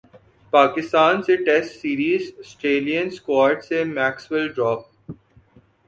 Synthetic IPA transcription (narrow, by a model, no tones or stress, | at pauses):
paːkɪst̪aːnseʈɛsʈsiːɾiːzsʈeːlijənskwaːɾɖsemɛːkswəlɖɾɔːp̚